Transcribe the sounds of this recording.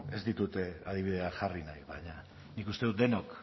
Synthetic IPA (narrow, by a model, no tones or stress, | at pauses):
e̞zd̪it̪ut̪e̞að̞iβ̞iðe̞aʝarinajβajɲa | nikust̪e̞ðut̪d̪e̞nok